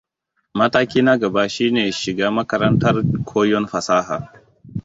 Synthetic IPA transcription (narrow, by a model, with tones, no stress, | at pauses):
mɐ˦taː˦kʲiː˦nɐ˦ɡɐ˨baː˦ʃiː˦neː˨ʃɪ˨ɡaː˦mɐ˦kɐ˦ɾɐ˦ntɐ˦rkʷʰoː˦jɔ˦nɸɐ˨saː˦ɦaː˨